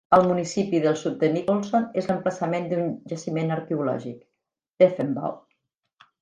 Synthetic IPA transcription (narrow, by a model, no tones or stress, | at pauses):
əlˠmunisipiðəlˠsut̪̚d̪ənikolˠsonezləmpləsəmend̪unʒəsimenəɾkeulɔ̰ʒik | d̪̥əfəmba̰w